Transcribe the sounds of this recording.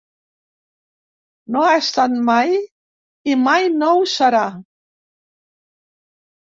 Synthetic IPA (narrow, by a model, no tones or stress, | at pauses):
noaest̪at̪maj | imajnowsaɾa